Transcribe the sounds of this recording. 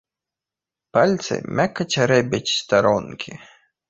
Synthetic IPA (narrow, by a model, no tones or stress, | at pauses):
palʲt̪sɨ̰mʲakːɐt͡ɕʲaɾɛbʲɐt͡ɕʲst̪aɾɔnkʲʰi